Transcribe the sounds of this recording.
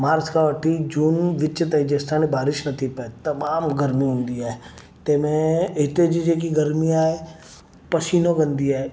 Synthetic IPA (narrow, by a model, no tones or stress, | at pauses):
maːɾskaʋəʈʰid͡ʒuːnʋɪt͡ʃət̪ɦd͡ʒeːst̪ʰaːnibaːɾɪʃnɐt̪ʰipɐet̪ɐmaːmɡəɾmiɦʊ̃nd̪iaːɦe | t̪eːmẽɦt̪ed͡ʒid͡ʒeːk̬iɡɐɾmiaːɦe | pɐʃiːnoɡɐ̃nd̪iaːe